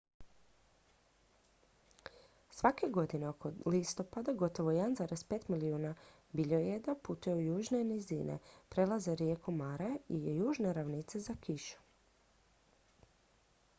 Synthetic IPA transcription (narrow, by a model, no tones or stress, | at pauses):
sʋake̞ɡo̞d̪ineokolist̪o̞pad̪aɡo̞t̪o̞ʋojed̪nzaɾe̞spet̪miliuːna | biʎojed̪aput̪ujeujuːʒnenizḭːnʔḛpɾe̞lazeɾje̞komaɾaijejuːʒneɾaʋnit̪sezakʰiʃu̥